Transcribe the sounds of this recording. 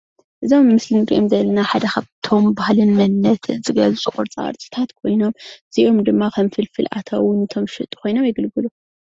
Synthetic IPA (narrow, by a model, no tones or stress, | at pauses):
ʔɨzo̞mːɨslinɨɾḭʔomzɐlːɐnaħad̪ɐxaβt̪ʰo̞mbahlɨnːɐnːɐt̪ʰɨnzɨɡɐzusʼɨχʼoɾt͡sʼa̰ɐ̰ɾt͡sʼi̥t̪ʰat̪kʰo̞jno̞mz̥iʔomd̪ɨmːakʰɐmfɨlfɨlʔa̰t̪ʰa̰wʊnɨt̪ʰo̞mʃɨt̪ʼu̥kʰo̞jno̞mjɪɡɨlɡɨlu